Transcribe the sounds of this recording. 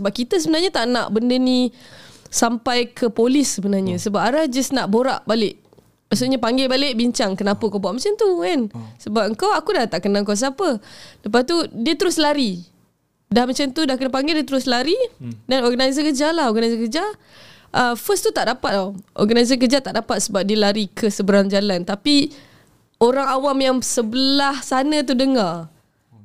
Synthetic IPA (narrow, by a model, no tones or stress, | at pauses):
səbap̚kit̪əs̬əbənarɲat̪aʔna̰ʔbəndənĩ | sampajkʰəpolɪsːəbənarɲãsəbap̚aɾahd͡ʒəsnaʔboɾa̰ʔbalɪʔ | maʔsuʔɲapaŋɡɛbalɪʔbiɲt͡ʃaŋkənapəkowbaʔmat͡ʃant̪ukansəbap̚əŋkawakudaht̪aʔkənaəŋkaws̬apələpast̪udiət̪əɾʊslaɾi | dahmat͡ʃant̪udahkənapaŋɡɪdiət̪əɾʊslaɾidanɔrɡanazəkəd͡ʒalahɔɡanazəkəd͡ʒa | ʔəfəst̪ut̪aʔdapat̪̚aʔɔ̰rɡanazək̬əd͡ʒat̪aʔdapat̪̚səbap̚diəlaɾikʰəsəbəɾaŋd͡ʒalant̪api | oɾaŋawamjaŋsəbəlahsanə̃t̪̬udəŋar